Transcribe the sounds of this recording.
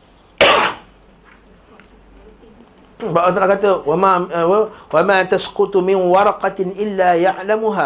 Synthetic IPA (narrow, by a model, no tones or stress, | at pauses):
baʔt̪ɾˤɑkat̪ma | wamaːt̪asqʊt̪mɪnwɑɾˤɑqɑʔɪlːaːjaʕlamʊɦaː